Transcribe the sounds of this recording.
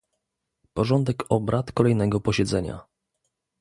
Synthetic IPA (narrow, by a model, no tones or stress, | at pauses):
pɔʐɔnd̪ɛkɔbɾat̪kɔlɛjnɛɡɔpɔɕɛd̪zɛɲa̰